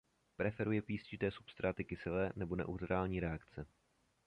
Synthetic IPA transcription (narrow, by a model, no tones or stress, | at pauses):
pɾɛfɛɾujɛpiːscɪt̪ɛːsu̥pst̪ɾʔaːt̪ɪkɪsɪlɛːnɛbonɛ̰ʔut̪ɾaːlɲiːɾɛakt͡sɛ